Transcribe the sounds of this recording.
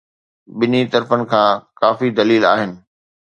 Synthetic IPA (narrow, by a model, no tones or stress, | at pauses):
ɓɪnit̪ɐɾfənɪ̆kʰãːkaːfid̪ɐliːlaːɦɪnɪ̆